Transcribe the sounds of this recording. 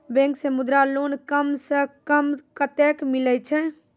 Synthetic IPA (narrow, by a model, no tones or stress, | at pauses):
bɛ̃ŋksẽmud̪ɾalonkəmsə̃kəmkət̪ekmilɛt͡ʃʰɛ